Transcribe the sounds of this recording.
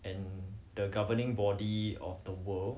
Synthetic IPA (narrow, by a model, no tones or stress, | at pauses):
ɛ̃ndəɡavənɪ̃ŋbɔdiɔ̰fdəwəl